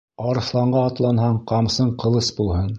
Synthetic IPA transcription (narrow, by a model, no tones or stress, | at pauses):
ɑɾɤ̆θlˠɑɴɢɑːt̪lˠɑnhɑɴqɑmsɤɴqɤ̆lˠɤsbulˠhɤn